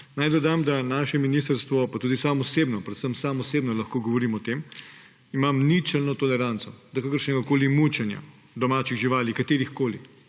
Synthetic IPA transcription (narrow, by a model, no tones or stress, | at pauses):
najd̪ɔd̪amd̪anaːʃɛminiːs̬t̪əɾst̪ʋɔpat̪uːd̪isaːmɔseːbnɔpɾɛt̪səmsamɔseːbnɔlɐxkoːɡɔʋɔɾiːmɔt̪em | imamnit͡ʃɛlnɔt̪ɔlɛɾant̪sɔd̪ɐkakəɾʃnɛɡakoːlimut͡ʃɛnja̰ | d̪ɔmaːt͡ʃiɣʒiʋaːlikat̪eːɾixkoːli